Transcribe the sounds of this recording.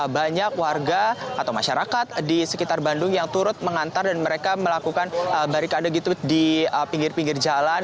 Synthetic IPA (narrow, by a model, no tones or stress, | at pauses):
baɲakwarɡaat̪awmaʃaɾakat̪̚disəkit̪arbandʊŋjaŋt̪uɾʊt̪̚məŋant̪ardanməɾekaməlakukanəbaɾikadaɡit̪udiəpiŋɡɪrpiŋɡɪrd͡ʒalan